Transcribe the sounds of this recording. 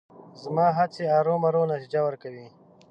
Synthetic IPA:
zmɑːɦat͡seaːɾoːmaɾonat̪id͡ʒawəɾkawi

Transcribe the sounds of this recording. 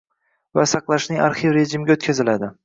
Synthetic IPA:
vasɑqlˠaʃnɪŋaɾχivɾe̞ʒɪmɪɡʲaot̪̚kʲʰazɪlad̪ɪ

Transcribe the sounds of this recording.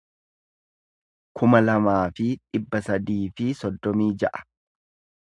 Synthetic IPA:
kʰʊmɐlɐmaːfɪᶑʼɪbːɐsɐd̪iːfɪsɔd̪ːɔmiːd͡ʒɐʔɐ̥

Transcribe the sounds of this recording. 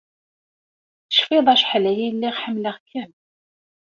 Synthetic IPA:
θə̥ʃfɪðˤæʃħlæjælːiʁħəmləʁkʰːæn

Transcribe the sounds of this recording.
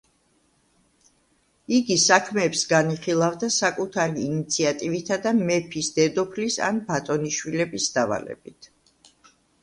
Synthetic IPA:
iɡisakʰmɛːpsɡaniχilˠavd̪asakʼut̪ʰaɾiːnit̪sʰiat̪ʼivit̪ʰad̪amɛpʰisd̪̥ɛd̪ɔpʰlisa̰nbat̪ʼɔniʃwilɛbisd̪̥ava̰lɛ̰bit̪ʰ

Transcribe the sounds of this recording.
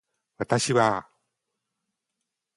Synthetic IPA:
βat̪aɕiβa

